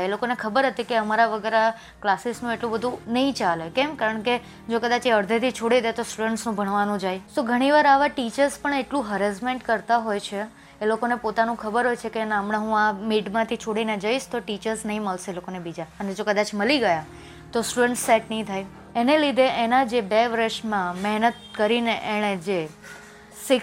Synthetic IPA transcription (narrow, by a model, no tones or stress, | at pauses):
elokonekʰəbəɾɦət̪ikeəmaɾaʋəɡəɾa | klasisnũeʈlũbəd̪ʱũnəɦĩt͡ʃalekɛmkaɾəɳke | d͡ʒokəd̪at͡ʃeəɾd̪ʱet̪ʰit͡ʃʰoɽid̪et̪osʈuɽəɳʈsnũbʱəɳ̃ʋanũd͡ʒajsoɡʱəɽ̃iʋaɾaʋaʈit͡ʃəɾspəɳeʈlũɦəɾes̬meɳʈkəɾt̪aɦojt͡ʃʰeː | lokonepot̪anũkʰəbəɾɦojt͡ʃʰekenamnaɦũamiʈmãt̪ʰit͡ʃʰoɽined͡ʒəiʃt̪oʈit͡ʃəɾsnəɦĩməlseelokonebid͡ʒaəned͡ʒokəd̪at͡ʃməliɡəja | t̪osʈuɖəɳʈsːɛʈnəɦĩt̪ʰaj | enelid̪ʱeʔenad͡ʒebeʋɾəʃmãmɛɦnət̪̚kəɾineʔeɽ̃ed͡ʒe | sɪ